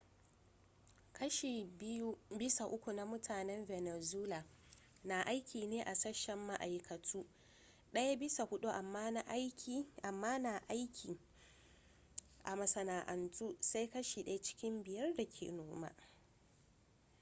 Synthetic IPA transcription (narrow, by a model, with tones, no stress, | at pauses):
kɐ˦ʃe˨˦u˦bɪ˦sa˨ʔʊ˦kʷu˨na˦mʊ˦tʰaː˨nɛ˦mvɛ˨nɛ˨zuː˦laː˨ | na˨ʔa˦jkʲʰiː˨neː˦ʔa˨sɐ˦ʃːɛ˨mːa˦ʔa˨jkʰɐ˨tʰuː˦ | ɗɐ˦ja˦bɪ˦sa˨hʊ˦ɗu˦ʔa˨mːaː˦na˦ʔjkʲi˦˨ʔa˨mːaː˦na˨ʔa˦jkʲʰiː˨ | ʔa̰˨mɐ˨sɐ˨naː˨ʔɐ˨ntʰuː˦sa˦jkɐ˦ʃi˨ɗɐ˦a˦t͡ʃɪ̥˦kʲɪ˦mbɪ˨jɐ˦rda˨kʲʰḛː˨noː˦ma̰˦